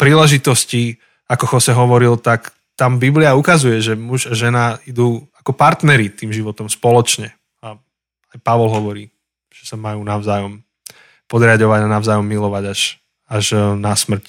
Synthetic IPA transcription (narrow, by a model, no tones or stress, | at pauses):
pɾiːlɛʒit̪ɔsci | akɔxɔsɛɦɔʋɔɾilt̪ak | t̪ambibliaukazujɛʒɛmuʒaʒɛnaid̪uːakɔpaɾt̪nɛɾit̪iːmʒiʋɔt̪ɔmspɔlɔt͡ʃɲɛ | a | ajpaʋɔlɦɔʋɔɾiː | ʒ̥ɛsamajuːnaʊzaːjɔm | pɔd̪ɾɪaɟɔʋaɟanaʊzaːjɔmːilɔʋaɟaʃ | aʒnasmr̩c